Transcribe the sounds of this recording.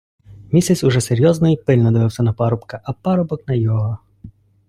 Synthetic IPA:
mʲisʲɛt͡sʲʊʐɛseɾʲjɔznɔipɪlʲnɔd̪ɔʋɪwsʲɐnɐpɑɾɔpkɐʔɐpɑɾɔbɔknɐjɔɦɔ

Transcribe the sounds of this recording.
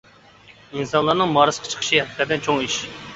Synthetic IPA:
insɑnlˠɑɾnɨŋmɑːɾɨsqʰɑ̥t͡ʃʰə̥qʰə̥ʃiɛkɪkɛt̪ɛnt͡ʃʰoŋiʃ

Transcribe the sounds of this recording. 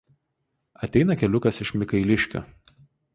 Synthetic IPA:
ɐt̪ʲɛɪnɐkʲɛlʲʊkɐsɪʃmʲɪkɐɪlʲɪʃʲkʲo̰ː

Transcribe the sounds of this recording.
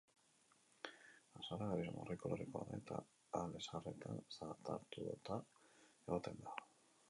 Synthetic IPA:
asaɾaɣaɾizomorikoloɾekoa̰ðaet̪ʰaː | le̞sare̞t̪ʰansat̪a̰ɾt̪uðot̪ae̞ɣot̪e̞nd̪a

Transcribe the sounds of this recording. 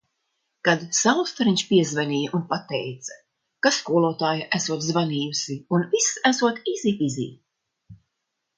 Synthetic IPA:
kad̪sawst̪aɾiɲʲʃpiɛzvɛnʲiːjʔunpat̪ɛjt̪sḁ | kaskuɔlˠuɔːt̪aːjaʔæsuɔt̪zvaniːjusiunvisæsuɔt̪iziːtizḭː

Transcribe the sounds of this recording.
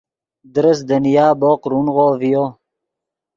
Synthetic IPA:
d̪ɾəsd̪ənijaːboːqɾunʁoːvijoː

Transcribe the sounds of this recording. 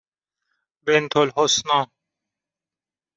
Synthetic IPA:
bent̪ʰolhosnɔ̃

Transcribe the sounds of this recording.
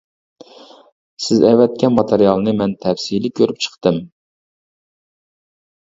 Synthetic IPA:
sɪzɛvɛt̪̚kʲɛnmɑt̪ʰeɾjɑlˠnɨmɛnt̪ʰɛfsilikʲʰøɾyp̚t͡ʃʰə̥χt̪ɨm

